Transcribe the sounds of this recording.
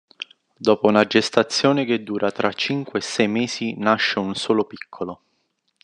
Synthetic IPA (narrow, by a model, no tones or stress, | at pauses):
d̪ɔːpounad͡ʒest̪at̪sːjoːnek̟ed̪ːuːɾat̪ɾat͡ʃːiŋkweːsɛjmeːsinaʃːeunsoːlopi̥kʰːolo